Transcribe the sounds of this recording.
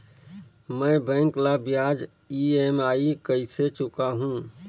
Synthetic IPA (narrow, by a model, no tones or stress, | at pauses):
mɛ̃bɛ̃ːŋklabjaːd͡ʒ | ieːmaːikəiset͡ʃʊkaɦũː